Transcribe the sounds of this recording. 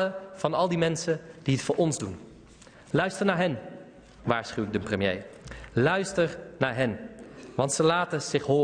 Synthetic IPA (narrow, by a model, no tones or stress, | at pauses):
əv̥ɑnɑlˠdimɛnsənd̥iɦətfʊːɹʔɔnzdun | lœɥstəɹnaːɹɦɛn | ʋaːɹsχywɪɡ̚dəprəmjḛjlœɥstəɹnaːɹɦɛnʋɑntsəlaːtəz̥ɪχɦoː